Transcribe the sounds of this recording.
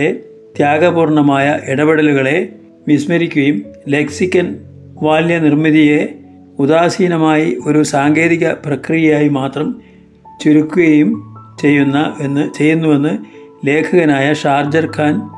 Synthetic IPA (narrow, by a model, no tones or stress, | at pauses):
e | t̪jaːɡɐbuːrɳɐmaːjɐʔiɽɐbeɽɐluɣɐɭe̞ | ʋismɐɾikʲːuɣɐjumleksikʲːɐn | ʋaːljɐnirmiðije̞ | ud̪aːsiːnɐmaːjio̞ɾusaːŋɡe̞ːðiɣɐprɐkrijɐjaːjimaːt̪rɐm | t͡ɕuɾukʲːuɣɐjumt͡ɕe̞jːunːɐe̞nːɨt͡ɕe̞jːunːuʋe̞nːɨle̞ːkʰɐɣɐnaːjɐʂaːrd͡ʑɐrkʰaːn